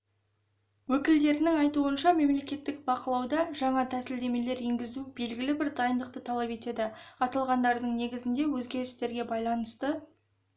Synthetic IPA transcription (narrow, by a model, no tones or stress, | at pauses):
wɵkʲɪld̪e̞ɾɪnɪŋɑjt̪uənʃɑme̞mle̞kʲe̞t̪ːɪk̚bɑqəlˠɑwd̪ɑʒɑɴɑt̪ʰæsɪld̪e̞me̞le̞ɾeŋɡʲɪzube̞lɡʲɪlɪbɪɾd̪ɑjənd̪əq̚t̪ət̪ʰɑlˠɑpe̞t̪e̞d̪ɪɑt̪ɑlˠʁɑnd̪ɑɾd̪əɴne̞ɡʲɪzɪnd̪e̞wɵzɡʲe̞ɾɪst̪e̞ɾɡʲe̞bɑjlˠɑnəst̪ə